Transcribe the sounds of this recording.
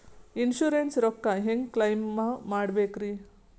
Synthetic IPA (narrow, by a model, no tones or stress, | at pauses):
inʃuɾensɾɔkːaɦeŋɡklɐjmːamaːɽbeːkɾi